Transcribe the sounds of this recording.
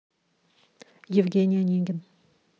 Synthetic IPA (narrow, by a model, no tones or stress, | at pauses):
jɪvɡʲenʲijanʲeŋɡʲɪn